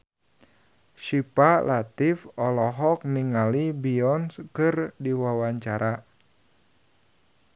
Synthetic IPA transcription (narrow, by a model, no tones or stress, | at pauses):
ʃipalat̪ifɔlɔɦɔk̚niŋalibiɔnskɨrdiwawaɲt͡ʃaɾa